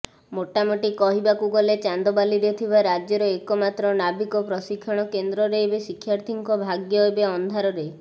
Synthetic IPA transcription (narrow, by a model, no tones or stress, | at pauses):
moʈamoʈikɔɦibakuɡɔlet͡ʃand̪ɔbaliɾɔt̪ʰibaɾad͡ʒjɔɾɔekɔmat̪ɾɔnabikɔpɾɔsikʰːɔɽ̃ɔkend̪ɾɔɾejbesikʰjaɾt̪ʰiŋkɔbʱaɡjɔjbeɔnd̪ʱaɾɔɾej